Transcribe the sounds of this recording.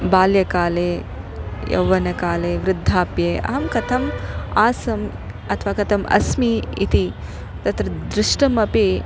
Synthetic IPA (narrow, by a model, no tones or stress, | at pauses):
baːljɐkaːleː | jɐ̰wːɐnɐkaːleːʋɾɪd̪ʱːaːpjeːʔɐ̰ɦɐmkɐt̪ʰɐmaːsɐm | ɐt̪ʰʋaːkɐt̪ʰɐmɐ̰smiḭt̪i | t̪ɐt̪ɾɐd̪ɾɪʂʈɐmɐpi